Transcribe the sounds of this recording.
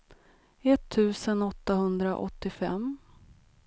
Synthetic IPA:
ɛt̪ʰːʉ̟ːsənɔt̪ːahɵnd̪ɾaʔɔ̰t̪ːɪfɛm

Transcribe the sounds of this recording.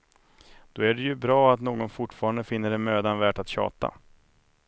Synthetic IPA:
d̪̥ɔæɖɛjɵbɾɑːat̪noːɡɔnfʊʈːfɑːɾand̪əfɪnːəɖɛnmøːd̪anvæːʈat̪ɕɑ̰ːt̪a̰

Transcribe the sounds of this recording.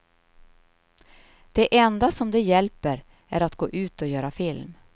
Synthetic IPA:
d̪̥ɛʔɛnd̪asɔmd̪ɛjɛlpəɾ | æɾat̪ɡ̥oːʔʉ̟ːt̪ɔjœːɾafɪlm

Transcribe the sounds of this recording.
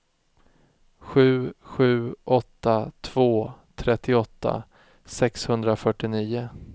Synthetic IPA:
ɧʉ̟ːɧʉ̟ːʔɔt̪ːat̪ʰv̥oːt̪ʰɾɛt̪ːɪɔt̪ʰːa̰ | sɛkshɵnd̪ɾafœʈːɪniːʊ

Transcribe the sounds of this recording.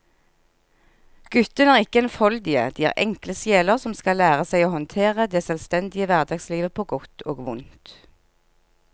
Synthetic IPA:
ɡ̥ʉt̪ənæːʁɪkəɛnfɔld̪ɪə̰d̪̥iːæ̰ʁʔɛ̰ŋkləsjeːləʁsɔmskɑlæːʁəsæɪoːhɔnt̪ʰeːʁəd̪eːsœlst̪ɛnd̪ɪəʋæʁd̪ɑɡsliːʋəpʰoːɡɔt̪ʰoːɡʋʊnt̪

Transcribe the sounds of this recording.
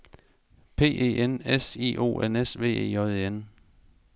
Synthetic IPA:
pʰe̝̰ːḛːʔenesḭːʔo̝̰ːenesʋe̝̰ːḛːjɒðˠeen

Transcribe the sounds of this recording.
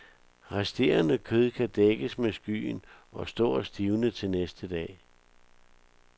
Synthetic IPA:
ʁasd̥e̝ːɐnəkʰøð̞ˠkʰæd̥eɡ̥əsmesɡ̥y̰ːn | ɒ̽sd̥ɔ̰ːsd̥iːʊnət͡sʰe̝lnesd̥əd̥ɛ̰ː

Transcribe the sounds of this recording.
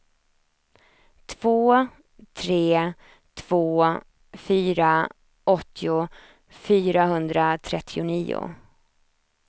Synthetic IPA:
t̪ʰv̥oː | t̪ʰɾeː | t̪ʰv̥oː | fyːɾa | ɔt̪ʰːɪʊ | fyːɾaɦɵnd̪ɾat̪ʰɾɛt̪ʰːɪʊniːʊ̰

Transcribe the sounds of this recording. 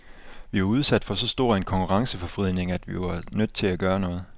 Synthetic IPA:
ʋiʋɑ̈uð̞ˠsæd̥fɒ̽sɒ̽sd̥o̝ɐ̰e̝nkʰɒ̽ŋkʰuʁɑ̈ŋsəfɒ̽fʁið̰ˠne̝ŋæd̥ʋiʋɑ̈nød̥̚t͡sʰe̝læɡ̥ɶːɐnɔ̽ːð̩ˠ

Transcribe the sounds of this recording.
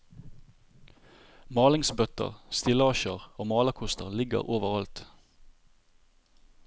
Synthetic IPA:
mɑːlɪŋsbœt̪ə̰ʁst̪ɪləɑʃəʁoːmɑːləkʰʊst̪əʁlɪɡə̰ʁoːʋəʁɑlt̪

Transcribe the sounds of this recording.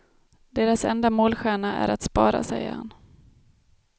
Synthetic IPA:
d̪eːɾasɛnd̪amoːlɧæːɳaʔæ̰ɾat̪spɑːɾa̰sɛjːə̰ɾha̰n

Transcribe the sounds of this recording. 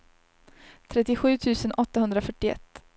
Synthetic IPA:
t̪ʰɾɛt̪ːɪɧʉ̟ːt̪ʰʉ̟ːsənʔɔt̪ːahɵnd̪ɾafœʈːɪɛ̰t̪ː

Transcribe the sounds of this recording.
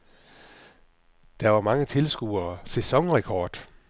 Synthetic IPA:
d̥æʋɑ̈mɑ̈ŋət͡sʰe̝lsɡ̥ṵːɐsesɒ̽ŋʁɛkʰɒ̰ːd̥

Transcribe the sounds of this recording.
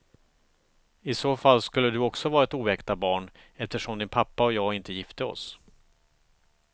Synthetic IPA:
ɪsoːfalːskɵlːəd̪ɵɔksɔvɑːɾaɛt̪uːɛkt̪abɑːɳ | ɛft̪əʂɔmd̪ɪnpʰapːaɔjɑːɡɪnt̪əjɪft̪əɔ̰s

